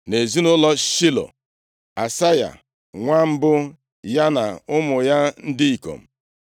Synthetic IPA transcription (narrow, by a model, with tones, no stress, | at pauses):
ne˨zi˦nʊ˦lɔ˦ʃi˦lo̰˨ | a˨sa˦ja̰˨ | ŋʷa˦m̩˦bʊ˦ | ja˦na˨ʊ˦mʊ˨ja˦n̩˦dɪ˦i˨ko̰˨m̩˨